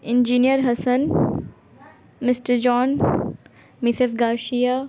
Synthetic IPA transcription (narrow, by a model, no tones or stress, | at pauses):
ɪ̃nd͡ʒiːnijəɾɦɐsən | mɪsʈəɾd͡ʒɔːn | mɪsɪzɡaːʃijaː